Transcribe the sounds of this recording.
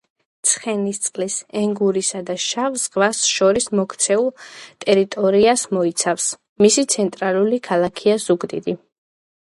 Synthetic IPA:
t̪sʰχɛnist̪sʼqʼlisɛŋɡuɾisad̪aʃavzʁvasʃɔɾismɔkʰt̪sʰɛulˠt̪ʼɛɾit̪ʼɔɾiasmɔit̪sʰafs | misit̪sʰɛnt̪ʼɾalˠulikʰalˠakʰiazuɡd̪ḭd̪i

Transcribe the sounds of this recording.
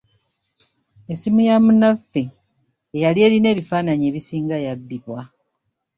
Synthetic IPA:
esimujamunafːeː | jalie̞ːɾine̞ːβifaːnaɲe̞ːβisiːŋɡajabːiβwa

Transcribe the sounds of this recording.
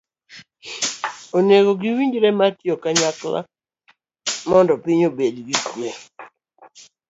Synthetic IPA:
oneɡoɡiwiɲd͡ʒɾɛmatjokaɲakla̰ | mɔndɔpɪɲobedɡikwe

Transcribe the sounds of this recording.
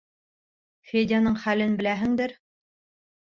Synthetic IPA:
fʲedʲanɤɴχælɘnbɘ̆læɦɘ̆ŋd̪ɘɾ

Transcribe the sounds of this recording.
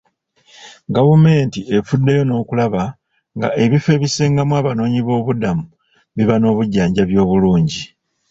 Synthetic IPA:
ɡavume̞ːntie̞fudːe̞jo̞no̞ːkulaβa | ŋɡa̰ʔe̞βife̞βise̞ːŋɡamwaːβano̞ːɲiβo̞ːβudamu | βiβano̞ːβuɟːaːɲɟaβjo̞ːβuluːɲɟi

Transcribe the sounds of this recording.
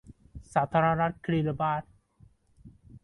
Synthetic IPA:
sat̪ʰaɾaɾaɾkɾiɾbaɾ

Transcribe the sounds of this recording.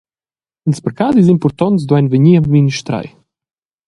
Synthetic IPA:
ənspəɾkazizimpɔɾt̪ɔnsd̪wajnvəɲiamminiʃt̪ɾa̰j

